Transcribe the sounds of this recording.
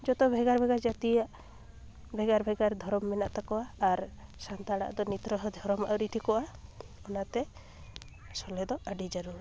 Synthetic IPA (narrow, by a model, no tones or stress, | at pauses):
d͡ʒɔt̪ɔbʱɛɡaɾbʱɛɡad͡ʒat̪ijaʔ | bʱɛɡaɾbʱɛɡaɾd̪ʱɔɾɔmːɛnaʔt̪akɔaːɾsant̪aɽa̰ʔd̪ɔnit̪ɾɔɦɔd̪ʱɔɾɔma̰wɾiʈʰikɔʔaɔnat̪ɛ | sɔlɛd̪ɔaɖid͡ʒaɾuna